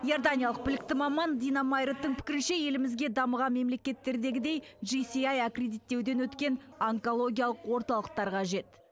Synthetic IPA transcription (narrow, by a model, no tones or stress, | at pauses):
jo̞rd̪anʲijalˠəq̚bɪlɪk̚t̪ɪmɑmɑnd̪ijnamajɾet̪ːəɴpʰɪ̥kʲɪɾɪnʃe̞je̞lɪmɪzɡʲe̞d̪ɑməʁɑnme̞mle̞kʲe̞t̪ːe̞ɾd̪e̞ɡʲɪd̪e̞jʒijsijɑjɑkrʲe̞d̪it̪ːe̞wd̪e̞nwɵt̪kʲe̞n | ɑŋko̞lˠo̞ɡʲijalˠəqwo̞ɾt̪ɑlˠəq̚t̪ɑɾqɑʒe̞t̪